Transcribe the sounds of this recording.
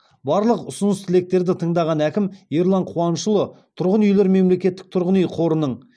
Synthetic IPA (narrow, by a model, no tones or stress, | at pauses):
bɑɾlˠəqʊsʊnəst̪ʰɪle̞k̚t̪e̞ɾd̪ɪt̪ʰəɴd̪ɑʁɑnækʲɪmjeɾlˠɑɴqʰuwɑnʃəlˠət̪ʰʊɾʁənʏjle̞ɾme̞mle̞kʲe̞t̪ːɪ̥k̚t̪ʰʊɾʁənijqʰo̞ɾənəɴ